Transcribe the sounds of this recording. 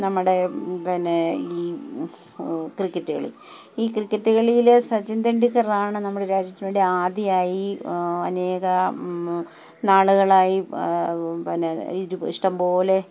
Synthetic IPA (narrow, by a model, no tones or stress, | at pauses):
nɐmːuɽe̞pinːeiː | krikːɐʈːuɣɐ̰ɭḭ | iːkrikːɐʈːuɣɐɭijilsɐt͡ɕːɐndeɳɖikːɐraːɳɨnɐmːuɽeɾaːd͡ʑjɐt̪ːinuːɽeaːd̪ijaːjiɐne̞ːɣɐ | naːɭuɣɐɭaːji | pinːeiɾuiʂʈɐmpo̞ːle̞